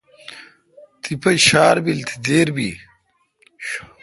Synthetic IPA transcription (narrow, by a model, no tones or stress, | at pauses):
t̪ʰipɐɕaːɾbilt̪ʰi̥d̪eːɾbi